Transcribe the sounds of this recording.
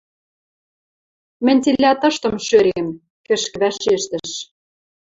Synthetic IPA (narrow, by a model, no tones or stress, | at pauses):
mɘ̆nʲt̪ilʲːæt̪ɤ̆ʃt̪ɤ̆mʃøɾem | kɘ̆ʃkɘ̆βæʃeʃt̪ɘ̆ʃ